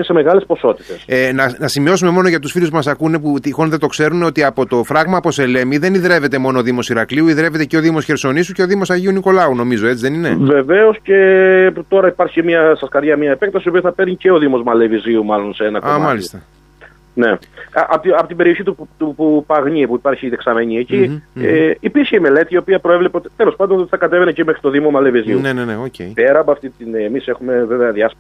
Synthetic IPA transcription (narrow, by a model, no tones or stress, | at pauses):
ese̞me̞ɣɐle̞spo̞so̞t̪i̥t̪e̞senɐnɐsimio̞sume̞mo̞no̞ʝɐt̪usfiluspumɐsɐkune̞put̪ixonðet̪o̞kse̞ɾuneo̞t̪iɐpo̞t̪o̞fɾɐɣmɐpo̞se̞le̞miðe̞niðɾe̞vet̪e̞mo̞nooðimo̞siɾɐkliuiðɾe̞ve̞t̪ece̞o̞ðimo̞sçe̞ɾso̞nisuce̞o̞ðimo̞sɐʝiuniko̞lɐuno̞mizo̞e̞t͡siðe̞nine̞ve̞veosce̞t̪o̞ɾɐipɐɾçimiɐsɐskɐɾʝɐmɲɐepek̚t̪ɐsiopiɐθɐpeɾɲice̞o̞ðimo̞zmɐle̞viziumɐlo̞nseenɐkoamalisst̪ɐ | ne̞ʔɐpot̪iɐpot̪imbeɾio̞çit̪ut̪upupɐɣɲipuipɐɾçiðeksɐme̞ɲieci | ipiɾçeime̞le̞t̪iːo̞piɐpɾo̞evlepeo̞t̪i̥t̪elo̞spɐnd̪oot̪θɐkɐt̪evenecimexɾit̪o̞ðimo̞mɐle̞viziuneneneocepeɾɐpoɐft̪it̪inemise̞xume̞ve̞veɐðjɐs